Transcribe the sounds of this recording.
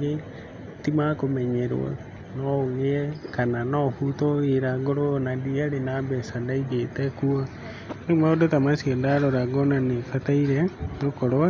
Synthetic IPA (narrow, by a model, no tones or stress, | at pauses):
ɡe | timakomɛɲɛɾwɔ̰ | nɔɣeɛkananɔfutoeɾaŋɡoɾonandiaɾenambɛsandaiɡetɛkua | nemaodotamasiɔndaɾɔɾaɣɔnanefataiɾɛŋokɔɾɔa